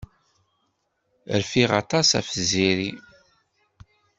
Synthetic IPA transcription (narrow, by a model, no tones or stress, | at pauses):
ə̰ɾfiʁɑ̰t̪ˤɑsæ̰fəziɾi